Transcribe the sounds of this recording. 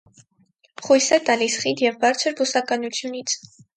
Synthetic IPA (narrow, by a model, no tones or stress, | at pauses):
χujsɛt̪ɑlisχit̪jɛvbɑɾt͡sʰəɾbusɑkɑnut͡sʰjunit͡sʰ